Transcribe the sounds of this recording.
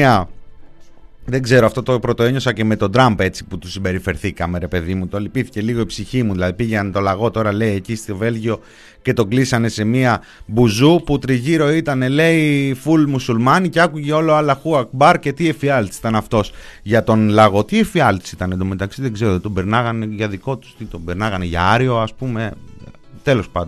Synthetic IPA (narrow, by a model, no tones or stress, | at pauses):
iɐ | ðe̞ɡze̞ɾoɐft̪o̞t̪opɾo̞t̪o̞e̞ɲo̞sɐce̞me̞t̪o̞d̪ɾɐmpe̞t͡si̥put̪usimbe̞ɾife̞ɾθikɐme̞ɾe̞pe̞ðimut̪olipiθi̥ce̞liɣo̞ipsiçimuðilɐðipiʝent̪o̞lɐɣo̞t̪o̞ɾɐle̞ie̞cist̪ove̞lʝio̞ | ce̞t̪o̞ɡlisɐne̞se̞miɐ | buzuput̪ɾiʝiɾo̞it̪ɐne̞le̞ifulmusulmɐnice̞ɐkuʝe̞o̞loɐlɐxuɐkbɐɾce̞t̪iefiɐlt̪i̥si̥t̪ɐnɐft̪o̞sʝɐt̪o̞nlɐɣo̞t̪iefiɐlt̪i̥sit̪ɐnend̪omet̪ɐksiðeɡze̞ɾot̪it̪o̞beɾnɐɣɐne̞ʝɐðiko̞t̪u̥st̪it̪o̞beɾnɐɣɐneʝɐ̰ɐɾio̞ɐspume̞ | t̪e̞lo̞spɐnd̪